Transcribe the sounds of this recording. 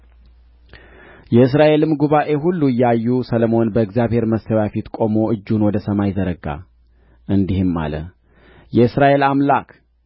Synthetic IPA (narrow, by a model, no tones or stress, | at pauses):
jɛɨs̬ɾaʔe̞lɨmːɡuβaʔe̞ɦulːuɨjːɛajːusələmo̞nbəɨɡzjaβhe̞ɾməsəwafit̪kʼo̞mo̞ʔɨd͡ʒːunwɔd̪əsəmajzəɾəɡa̰ | ʔɨnd̪ihɨmːa̰lə̰ | jɛɨsɾaʔe̞lamlakʰ